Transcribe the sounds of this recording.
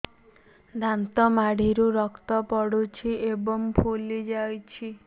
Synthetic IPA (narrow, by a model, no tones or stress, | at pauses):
d̪ʱant̪ɔmaɽiɾuɾɔkt̪ɔpɔɽut͡ʃʰiebɔmpʰulid͡ʒajt͡ʃʰi